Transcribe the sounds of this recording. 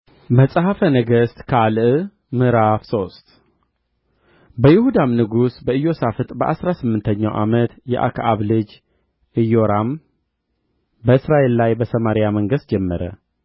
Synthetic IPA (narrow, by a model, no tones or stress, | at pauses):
məsʼəhafənəɡəst̪kʰalʔ | mɨɾafso̞st̪ | bəjɪhud̪amnɨɡusbəɨjːo̞safɨt̪ʼbəʔasɾasɨmːɨnt̪ʰəɲːa̰wʔa̰mət̪jɛ̰ʔa̰kʰaʔaβlɨd͡ʒ | ʔɨjo̞ɾam | bəɨsɾaʔe̞llajbəsəmaɾijaməŋɡəst̪̚d͡ʒɛmːəɾə̰